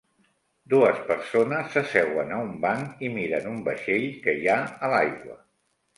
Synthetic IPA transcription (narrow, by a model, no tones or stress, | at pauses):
d̪uəspəɾsonəsːəsɛɣwənəumbaŋimiɾənumbəʃeʎkəjaəlajɣwə̰